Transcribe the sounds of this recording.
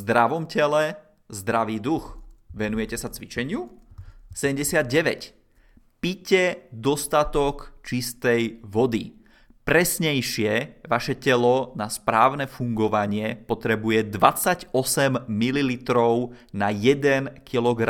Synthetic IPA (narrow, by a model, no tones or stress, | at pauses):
zd̪ɾaʋɔmcɛlɛ | zd̪ɾaʋiːd̪uxʋɛnujɛcɛsat͡sʋit͡ʃɛɲɪu | sɛɛmɟɛsɪad̪̚ɟɛʋɛ̰c | picɛd̪ɔst̪at̪ɔkt͡ʃist̪ɛjʋɔd̪i | pɾɛsɲɛjʃɪɛʋaʃɛcɛlɔnaspɾaːʊnɛːfuŋɡɔʋaɲɪɛpɔt̪ɾɛbujɛd̪ʋat͡saɟɔsɛmːililit̪ɾɔʊnajɛd̪ɛnkʰilɔɡɾa